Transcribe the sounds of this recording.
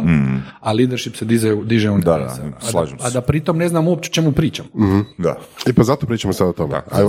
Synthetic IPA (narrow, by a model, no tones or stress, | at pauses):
aliːd̪eɾʃipsed̪izɛd̪iʒeuna̰ḛsla̰ʒemad̪apɾit̪omne̞znamuopt͡ʃeot͡ʃe̞mupɾiːt͡ʃamoh̩d̪a̰epazat̪opɾiːt͡ʃamosad̪ot̪omḛa̰